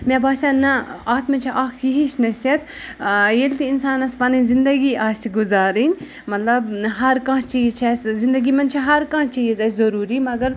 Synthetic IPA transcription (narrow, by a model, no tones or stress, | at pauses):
mʲebaːsʲãnɐaːt̪mɐt͡ʃʰiʔaːkt̪ʰjiɦiʃnɐset̪ | jelʲt̪iinsaːnɐspɐninzind̪ɐɡiʔaːsiɡʊzaːɾinʲ | mɐt̪lɐbɦɐɾkãt͡ʃiːzt͡ʃʰɐszĩnd̪ɐɡimɐnt͡ʃʰiɦɐɾkãːt͡ʃiːzɐzɐɾuːɾiːmɐɡɐɾ